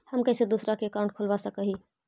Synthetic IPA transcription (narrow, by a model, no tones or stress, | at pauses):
həmkɛsed̪usɾakeːkaʊ̃ɳʈ̚kʰolbasəkəɦi